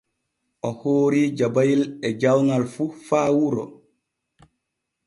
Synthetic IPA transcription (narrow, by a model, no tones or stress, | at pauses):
ʔɔhoːɾiːd͡ʒabajilɛd͡ʒawnalfufaːwuɾɔ̰